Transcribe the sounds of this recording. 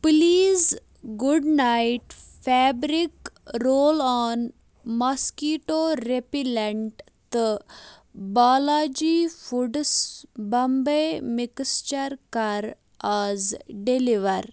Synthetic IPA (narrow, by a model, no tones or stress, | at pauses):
pliːz | ɡuɖnajʈfʰɛːbɾikɾoːlɔːn | mɐskiːʈoːɾepileɳʈ | t̪ɨ | baːlaːd͡ʒiːfuɖsbɐmbemɪkst͡ʃɐɾkɐɾ | aːzɖeliʋɐɾ